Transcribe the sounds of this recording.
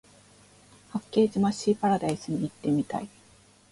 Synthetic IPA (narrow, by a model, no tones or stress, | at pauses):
hakːe̞ːd͡ʑimaɕiːpaɾad̪aisɨɲ̟iːt̪ːe̞mʲit̪a̰i